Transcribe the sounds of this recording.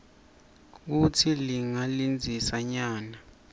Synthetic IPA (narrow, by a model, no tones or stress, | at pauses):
k̬utʰiliŋalind͡zʱisaɲaːna